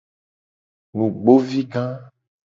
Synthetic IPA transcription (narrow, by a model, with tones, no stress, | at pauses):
nũ˨ɡ͡bo˦vi˦ɡã˦